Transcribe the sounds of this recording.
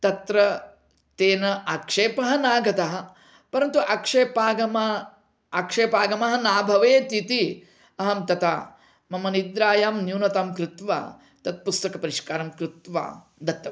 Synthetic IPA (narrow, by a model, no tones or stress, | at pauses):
t̪ɐt̪ɾɐ | t̪eːnɐʔɐkʂeːpɐɦɐ̆naːɡɐt̪ɐɦɐ̆ | pɐɾɐnt̪uʔɐkʂeːpaːɡɐmɐ | ɐkʂeːpaːɡɐmɐɦɐ̆naːbʱɐʋeːt̪it̪i | ɐɦɐmt̪ɐt̪a̰ː | mɐmɐnid̪ɾaːjaːmnjuːnɐt̪aːmkɾɪt̪ʋa̰ː | t̪ɐt̪̚pust̪ɐkɐpɐɾiʂkaːɾɐmkɾɪt̪ʋa̰ː | d̪ɐt̪ːɐ